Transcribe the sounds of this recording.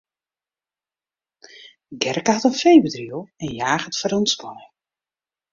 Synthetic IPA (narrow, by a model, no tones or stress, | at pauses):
ɡɛrkəatənfejbədriəlˠɛnjaːxətfəɾɔnspɔjə